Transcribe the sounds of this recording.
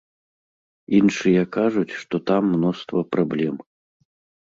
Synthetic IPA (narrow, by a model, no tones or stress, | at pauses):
inʂɨjɛkaʐut͡sʲʂt̪ɔt̪amːnɔst̪vɐpɾablʲɛm